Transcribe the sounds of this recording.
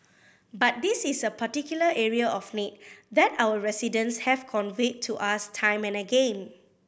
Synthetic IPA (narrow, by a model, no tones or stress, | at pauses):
bat̚disisəpatikjuləʔɛɹiaɔfnit̚dɛtawəɹɛsidə̃nshɛvkʰɔ̃nvik̚tʰːuʔastʰãj̃mɛ̃nəɡẽn